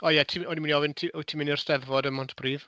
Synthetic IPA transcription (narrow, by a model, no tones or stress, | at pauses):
ɔjɛtʰimɔniminiɔvɪntʰitʰimɪniɔr̥stɛðvɔdəmɔntʰb̥riːð